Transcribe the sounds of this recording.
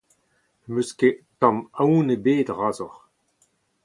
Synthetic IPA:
møsketãmawnəbeːdʁaːzɔʁ

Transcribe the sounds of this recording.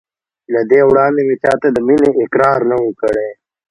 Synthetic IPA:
lad̪ewɽɑːnd̪emet͡ʃɑːt̪ad̪əmineʔɪkɾɑːɾnawəkəɽe

